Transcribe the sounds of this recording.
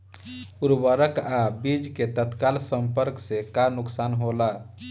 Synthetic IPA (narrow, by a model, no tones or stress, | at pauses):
uɾbəɾəkabid͡ʒket̪ət̪kalsə̃mpəɾksekanʊksaːnɦola